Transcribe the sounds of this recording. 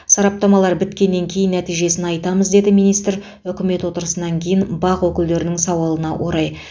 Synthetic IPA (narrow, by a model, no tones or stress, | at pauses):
sɑɾɑp̚t̪ɑmɑlˠɑɾbɪt̪kʲe̞nːe̞ŋkʲʰe̞jɪnːæt̪ijʒe̞sɪnɑjt̪ɑməzd̪e̞d̪ɪmijnijst̪ɾ | ʏkʲɪme̞t̪wo̞t̪əɾəsənɑŋkʲʰe̞jɪnbɑqwɵkʲɪld̪e̞ɾɪnɪŋsɑwɑlˠənɑʔo̞ɾɑj